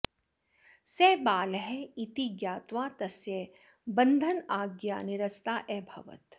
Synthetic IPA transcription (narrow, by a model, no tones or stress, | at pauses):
sɛːbaːlɦɛit̪iɡjaːt̪ʋaːt̪ɐsje | bɐ̃nd̪ʱənaːɡja̰ːnɪɾɐst̪aːʔɛːbʱɐ̰ʋə̰t̪